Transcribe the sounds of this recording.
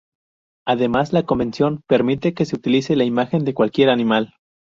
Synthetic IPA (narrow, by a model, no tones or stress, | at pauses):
aðe̞mazlako̞mbe̞nsjo̞npe̞ɾmit̪e̞ke̞se̞ut̪ilise̞laimaxe̞nd̪e̞kwalkje̞ɾanĩmal